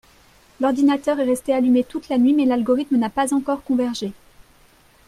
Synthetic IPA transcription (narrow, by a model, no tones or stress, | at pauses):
lɔʁd̪inat̪œʁɛʁɛst̪ealymet̪ut̪lanɥimɛlalɡɔʁit̪mənapazɑ̃kɔʁkɔ̃vɛʁʒe